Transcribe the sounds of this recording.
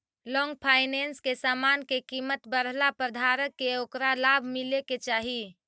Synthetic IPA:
lɔ̃ŋɡpʰaːɪnenskesaːmankekiːmət̪bəɾlapɾəd̪ʱaɾəkːeokɾalabʱmileket͡ʃaːɦi

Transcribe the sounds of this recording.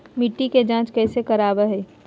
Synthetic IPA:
mɪʈːiked͡ʒãːt͡ʃkɛːsekɐɾaːbəɦɛː

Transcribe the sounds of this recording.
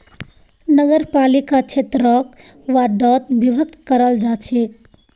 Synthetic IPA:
nəɡəɾpalikat͡ʃʰet̪ɾɔk̚ | ʋaɖɔt̪̚bibʱəkt̪kəɾəld͡ʒat͡ʃʰik̚

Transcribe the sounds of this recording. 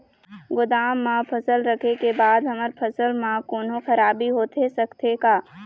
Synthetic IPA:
ɡʊd̪aːmːãpʰəsəlɾɐkʰekebaːd̪ɦɐməɾpʰɐsəlmãkoːnõxɐɾaːbiɦoːt̪esɐkt̪ʰekaː

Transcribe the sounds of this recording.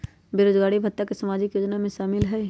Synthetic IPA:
beːɾoːd͡ʒɡaːɽibʱɐt̪ːakesɐmaːd͡ʒɪkjoːd͡ʒnamẽʃaːmɪlɦɛː

